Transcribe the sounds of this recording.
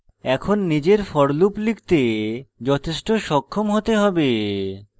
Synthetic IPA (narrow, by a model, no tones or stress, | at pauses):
ɛkʰonːid͡ʑeɾfɔɽluplikt̪ed͡ʑɔt̪ʰeʃʈoʃɔkʰːomɦot̪eɦɔbe